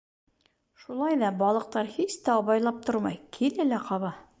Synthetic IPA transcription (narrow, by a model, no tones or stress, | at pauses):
ʃulˠɑjðɑbɒlˠɤ̆q̚t̪ɑɾhiɕt̪æbɑjlˠɑp̚t̪oɾmɑ̰jkʰilɘlæqɑβɑ